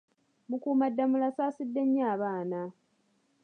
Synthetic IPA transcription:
mukuːmadːamulasaːsidːe̞ɲːaːβaːna

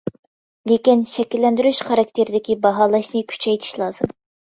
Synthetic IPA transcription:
lekʲinʃɛkʲilːɛnd̪yɾyʃχɑɾɑk̚t̪ʰeɾɪd̪ɪkʲibɑɦɑːlˠɑʃnɨkʲʰy̥t͡ʃʰɛjt̪ʰi̥ʃlˠɑːzɨm

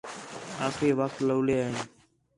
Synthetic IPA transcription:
aːkʰeːʋəkt̪ləːleːaːɦen

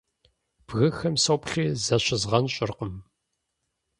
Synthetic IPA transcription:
b̥ɣɨxɐmsɐwpɬiːzɐɕɪzʁɐnɕʼɪrqəm

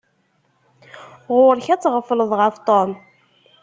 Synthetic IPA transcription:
ʁʊɾçæt͡sːʁəfələðˤʁəft̪ˤom

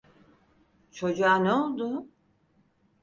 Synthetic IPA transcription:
t͡ʃʰo̞d͡ʒuanɛolˠd̪ʊ

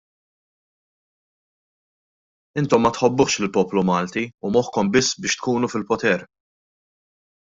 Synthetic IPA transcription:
ɪnt̪ɔmːɐt̪ħɔbːʊχʃlɪlpɔːplumɐːlt̪iumɔħkɔmbɪsːbɪːʃt̪̚kuːnufɪlpɔt̪ɛɾ

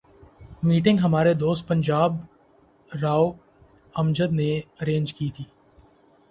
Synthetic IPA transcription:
miːʈɪ̃ŋɡɦɐmaːɾed̪oːst̪̚pɐ̃ɲd͡ʒaːb | ɾaːo | ɐmd͡ʒəd̪neɐɾẽːnd͡ʒkiːt̪ʰiː

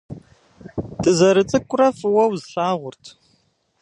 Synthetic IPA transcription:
tʼɨzɐɾɨt͡sʼɨkʷʼʊrɐfɨwɐwzɬaːʁʷʊrtʰ

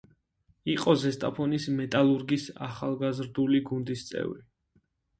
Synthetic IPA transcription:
iqʼɔzɛst̪ʼapʰɔnismɛt̪ʼalˠuɾɡisa̰χalˠɡazɾd̪uliɡund̪ist̪sʼɛ̰vɾi

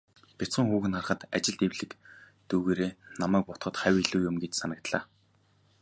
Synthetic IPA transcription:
pʲet͡sə̆ŋxuːɣɘ̆nχarχə̆t̪at͡ɕɪ̆ɮt̪ewɮɘ̆k | t̪uːɣeːɾeːnamæːk̚pɔt̪χɞ̆t̪χæwʲiɮuːjʊmɡet͡ɕsanə̆k̚t̪ɮa̰ː

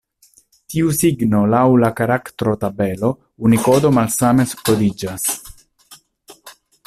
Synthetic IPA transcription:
t̪iusiɡno̞lawlakaɾakt̪ɾo̞t̪abelo̞ | uniko̞d̪o̞malsame̞skod̪id͡ʒas

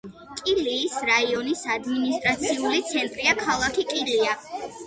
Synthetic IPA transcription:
kʼiliːsɾaiɔnisad̪minist̪ʼɾat̪sʰiulit̪sʰɛnt̪ʼɾiakʰalˠakʰikʼilia

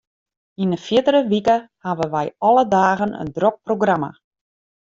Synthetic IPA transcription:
inəfjɪtəɾəʋikəhaʋəʋɛjɔlˠədaːɣənə̰ndrok̚proɡrama̰

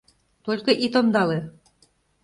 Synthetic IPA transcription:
t̪olʲkɤ̆ʔit̪ond̪ɑle

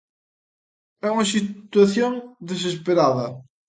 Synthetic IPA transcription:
ɛumɐs̬it̪wɐθjõŋd̪ezespeɾaðɐ

